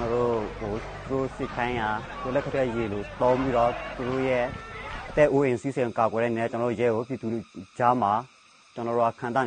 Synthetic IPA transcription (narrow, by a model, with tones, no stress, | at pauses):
nɔ˨ɾo̰˦˨o˨t̪u˨ɾo̰˦˨sɪ˦˨kʰã˦ɪ̃ja˨t̪o˦˨lɛ˦kʰə˦tʰɛ˦˨je˨lo˨t̪õ˦ʊ̃mpi˦ɾɔ˦˨t̪u˨ɾo̰˦˨jɛ˦˨ʔə˨t̪ɛ˦ʔo˦ʔẽ˨si˦˨sɪ̃˨ka˨kwɛ˨ɾɛ˦˨ne˨nɛ˦˨t͡ɕə˨nɔː˨˦o̰˦˨jɛ˦˨ɡo˨p̬ji˨d̪u˨d͡ʑa˦ma˨ | t͡ɕə˨nɔ˨ɾo˦a˨kʰã˨nt̪a˦˨